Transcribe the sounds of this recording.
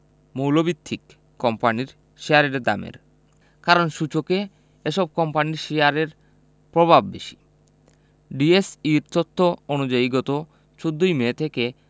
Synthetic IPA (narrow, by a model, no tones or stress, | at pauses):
mowlobit̪ʰːikː | ɔmpaniɾ | ʃeaɾeɾd̪a̰mḛɾ | kaɾonʃut͡ɕoke | eʃɔb̚kɔmpaniɾʃeaɾeɾ | pɾobʱabːḛʃi̥ | ɖiesiɾt̪ot̪ʰːoonud͡ʑaiɡɔt̪o | t͡ɕod̪ːojmet̪ʰeke